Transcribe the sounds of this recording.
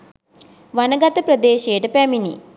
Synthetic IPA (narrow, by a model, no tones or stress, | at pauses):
ʋanɐɡɐt̪ɐpɾɐd̪eːʃejʈəpæmini